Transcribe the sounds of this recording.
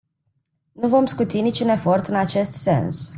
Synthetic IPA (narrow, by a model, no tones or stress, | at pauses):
nuvo̞mskut̪init͡ʃune̞fo̞rt̪ɨnat͡ʃe̞st̪se̞̰ns